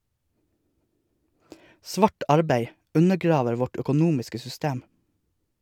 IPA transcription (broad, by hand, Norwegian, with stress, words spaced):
ˈsʋɑːʈ ˈɑɾbæɪ ˈʉnəˌɡɾɑːʋəɾ ˈʋɔʈ œkʊˈnuːmɪskə sʏˈsteːm